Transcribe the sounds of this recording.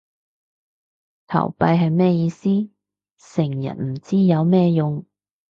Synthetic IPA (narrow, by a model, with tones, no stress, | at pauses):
t̪ʰɐ̰˨˩wpɐ˧jɦɐ˨jmɛː˥˧jiː˧siː˥ | sɪ˨˩ŋjɐ̰˨˩n̚m̩˨˩t͡siː˥jɐ˨˧wmɛː˥jʊ˨ŋ